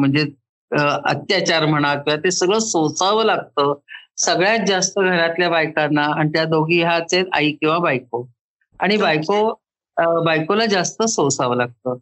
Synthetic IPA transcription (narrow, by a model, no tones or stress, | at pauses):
m̤əɳd͡ze | ə̰t̪jat͡ɕaɾm̤əɽ̃at̪jat̪esəɡɭəsõt͡saʋəlaɡ̚t̪əːsəɡɭjad͡zast̪əɡʱəɾat̪ljabajkanːaːnit̪jad̪oɡʱiːɦat͡set̪a̰iːkĩw̃ʋabajk̚o | aɽ̃ibajko | bajkolad͡zast̪əsot͡saʋəlaɡ̚t̪əː